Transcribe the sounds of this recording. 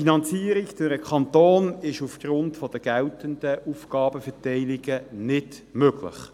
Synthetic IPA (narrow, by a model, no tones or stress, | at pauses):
inɑnt͡siːəɾɪkdɪɾəkχɑnt̪oːnɪʃufɡ̥ɾʊntfɔd̥̪əɡ̥ɛltənd̥əʔufɡ̥ɑːbəfɛtɛɪlɪɡ̥ənɪd | møɡlɪ̰χ